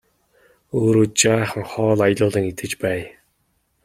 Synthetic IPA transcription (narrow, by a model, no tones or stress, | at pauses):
oːɾoːt͡ɕaːχə̆ŋχɔːɮaj̆ɮʊːɮə̆ŋit̪ɘ̆t͡ɕpæː